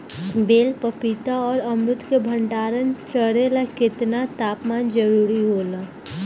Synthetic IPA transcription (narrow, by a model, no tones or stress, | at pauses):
beːlpəpit̪aɔːɾəmɾʊt̪kebʱə̃ɳɖaːɾənpɾəɾelakɪt̪nat̪aːpmaːnd͡ʒəɾuːɾiɦoːlaː